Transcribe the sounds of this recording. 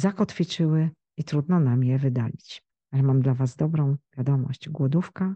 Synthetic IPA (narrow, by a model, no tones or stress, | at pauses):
zakɔt̪fʲit͡ʂɘwɘ | it̪ɾud̪nɔnamjɛvɘd̪alʲit͡ɕ | alɛmamd̪lavazd̪ɔbɾɔ̃w̃vʲjad̪ɔmɔ̰ɕt͡ɕɡwɔd̪ufka